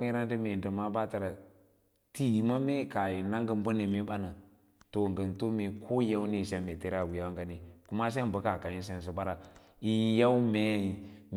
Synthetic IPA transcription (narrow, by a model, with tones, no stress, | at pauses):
i˦ɾa˦n˦di˦me˨də˨ma˦ba˦ta˨ɾa˨ | ti˦jma˦me˦ka˨ji˨na˦ŋɡə˦m˦bə˦ne˨mi˦ɓa˦na˨ | to˨ŋ˨ɡə˨nto˦me˨kʰo˦ja˦wne˦˨ʃa˦me˨te˦ɾa˦˨wu˨ja˦wa˦ŋɡa˦ni˨ku˦ma˦s̬e˦bə˦ka˨ka˨ji˦ns̬e˦n˨s̬i˨ba˦ɾa˨ | i˦ja˦u˦me˦˨m